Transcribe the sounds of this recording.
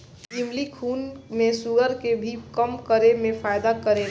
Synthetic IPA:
ɡimlikʰuːnmẽsuɡəɾkebʱikəmkəɾemẽfʰaːjd̪akəɾe

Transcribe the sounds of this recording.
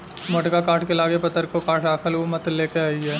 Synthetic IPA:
mɐʈkakaːʈʰkelaːɡepɐt̪ːəɾkokaːʈʰɖaːkʰəlomɐt̪leːkeaːiɦɛː

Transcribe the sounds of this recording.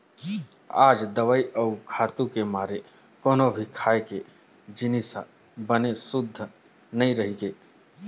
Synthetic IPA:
a̰ːd͡ʒd̪əʋaːiʔɔukʰaːt̪ũkemaːɾe | koːnobʱikʰaːeke | d͡ʒɪnisa̰ | bənesʊd̪ʱːə | nɐĩɾəɦiɡeː

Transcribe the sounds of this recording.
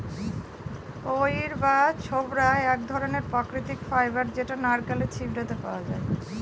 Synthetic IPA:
ojɾbat͡ɕʰobɾaeɛkd̪ʱɔɾoneɾpɾakɾit̪ikfajbaɾd͡ʑeʈanaɾkalet͡ɕʰibɾat̪epa̰oad͡ʑa̰e

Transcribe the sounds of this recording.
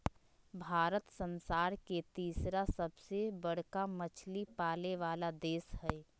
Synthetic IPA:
bʱaːɾət̪sə̃nsaːɾket̪iːsɾasəbsebəɽ̤kamət͡ʃʰlipaːleʋaːlad̪eːsɦɛː

